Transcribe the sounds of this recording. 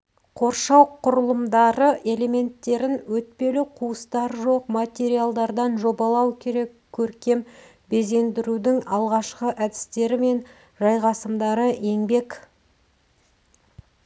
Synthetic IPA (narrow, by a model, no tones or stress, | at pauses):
qʰo̞ɾʃɑwqʰʊɾəlˠəmd̪ɑɾəʔe̞le̞me̞nt̪ːe̞ɾɪnwɵt̪̚pe̞lɪqʰuəst̪ɑɾʒo̞qmat̪ʲe̞ɾijalˠd̪ɑɾd̪ɑnʒo̞bɑlˠɑwkʲʰe̞ɾe̞kʲʰːɵɾkʲe̞m | be̞ze̞nd̪ɪɾud̪ɪŋɑlˠʁɑʃqəʔæd̪ɪ̥st̪e̞ɾɪme̞n | ʒɑjʁɑsəmd̪ɑɾəʔe̞ŋbe̞k